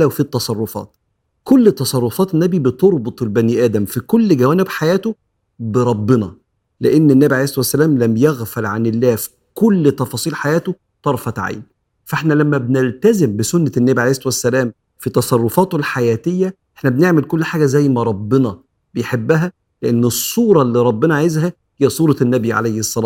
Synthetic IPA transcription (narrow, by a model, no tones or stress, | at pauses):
læwfit̪ːɑsˤɑrˤːofɑ̰ːt̪̚ | kolːt̪ːɑsˤɑrˤːofɑːt̪enːæbibet̪oɾˤbot̪ˤelbæniːʔæːd̪æmfikolːɡæwæːnebħajæːt̪o | beɾˤɑbːenɑ | leʔenːenːæːbiʕleːsˤɑt̪wæsːælæːmlæmjæɣfælʕanelːæːfi̥ | kolːt̪ɑfɑːsˤiːlħajæːt̪o | t̪ˤɑɾˤfɑt̪ʕa̰jn | fæʔeħnælæmːæbnelt̪æzembesʊnːænːæːbiʕleːsˤɑˤt̪wæsːælæːm | fit̪ɑsˤɑrˤːofɑːt̪olħajæːt̪ejːæʔe̥ħnæbneʕmelkolːħaːɡæzæjːmæɾˤɑbːenɑ | b̥ejħebːæɦæ | leʔenːesˤːuːɾˤɑlːiːɾˤɑbːenɑʕajezhæ | heijːæsˤuːɾɑnːæbiʕa̰lejhesˤːɑlɑː